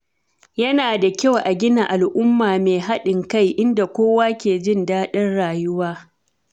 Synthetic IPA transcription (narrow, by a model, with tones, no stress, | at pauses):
jɐ˦naː˨da˨kʲa˦˨wʔa˨ɡʲɪ˦na˨ʔa˨lʔʊ˦mːaː˨meː˨ɦa˦ɗɪ˨ŋka˦˨jʔɪ˦nda˨kʷoː˦waː˦kʲeː˨d͡ʒɪ˦ndaː˦ɗɐ˦nɽaː˨jʊ˦waː˦